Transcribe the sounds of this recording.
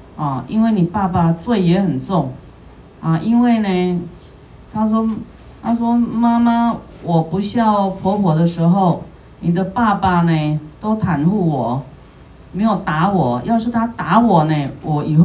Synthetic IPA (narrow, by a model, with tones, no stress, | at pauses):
ɔ˥˩i˥nwe˥˩ɪni˨˩pa˥˧pa˨t͡swe˥˩ɪjɛ˧˥˦xə˨˩nt͡sʊ˥˩ŋ | a˨ʔi˥nwe˥˩ɪne˨˩ | t̪ʰa˥ʂ̬wɔ˥ | t̪ʰa˥ʂwɔ˥ma˥ma˦ | wɔ˨˩pu˧˥ɕjɑ˥˩ʊpʰɔ˧˥pʰwɔ˨˩d̪ə˦ʂɻ̩˧˥xo˥˩ʊ | ni˨˩d̪ə˦pa˥˧pa˨˩ne˨t̪o˥ʊt̪ʰa˧˥nxu˥˩wɔ˨˩˦ | me˧˥ɪjo˨˩ʊt̪a˧˥wɔ˨˩˦jɑ˥˧ʊʂɻ̩˥˩t̪ʰa˥t̪a˧˥wɔ˨˩ne˨wʔɔ˨˩i˨˩˥